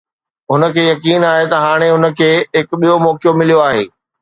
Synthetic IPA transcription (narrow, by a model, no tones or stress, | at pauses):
ɦʊnə̆kʰeːjɐkiːnaːɦet̪ɐɦaːɽ̃eɦʊnə̆kʰeːɦɪkɓijomɔːkjomɪlijoaːɦḛː